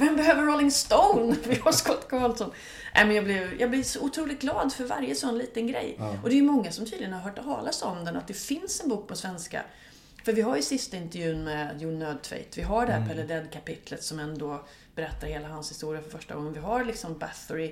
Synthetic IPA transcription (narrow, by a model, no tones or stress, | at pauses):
vɛmbɛɦøːvəɾɾɔlɪŋst̪owʊnvɪhaʂkɔt̪ːkʰɑːlt̪sɔn | nʔɛ̰ɪmɛnjɑːblɪvjɑːɡblɪɾʂɔʊt̪ʰɾuːlɪt̪̚ɡlɑːd̪fœɾva̰ɾjəsɔnːliːt̪ənɡɾɛ̰jːʔɔd̪ɛjɵmɔŋːasɔmt̪ʰyːd̪lɪjənhaɾɦœːʈ̪ʰɑ̰ːlasɔnd̪ənat̪̚d̪ɛfɪnsɛnbuːk̚pʰɔsvɛnska̰ | fœɾvɪɦaɾjɵsɪst̪aɪnt̪ɛɾjʉ̟ːnmɛd̪juːɳnøːd̪̚t̪ʰvɛ̰ɪt̪vɪɦaɖɛhæːɾpʰɛlɛd̪ɛd̪kʰapɪt̪ʰlət̪sɔmɛnd̪ɔ | bɛɾɛt̪ːaɾheːlaɦanshɪst̪uːɾɪjafœɾfœʂʈa̰ɡɔŋːənvɪɦaɾlɪksɔmbæθʊɾɪ